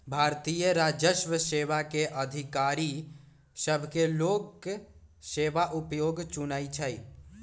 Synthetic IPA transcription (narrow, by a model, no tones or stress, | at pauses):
bʱaːɾt̪ijəɾaːd͡ʒəʃʋəseːʋakeʔəd̪ʱɪkaːɾi | səbʱkeloːɡ | seːʋaʔupjoːɡt͡ʃunaːit͡ʃʰəi